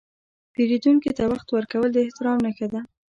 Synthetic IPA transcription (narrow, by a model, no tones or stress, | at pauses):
peɾid̪uŋkit̪awaxt̪wəɾkawəld̪əɪht̪ɪɾɑmnəxad̪a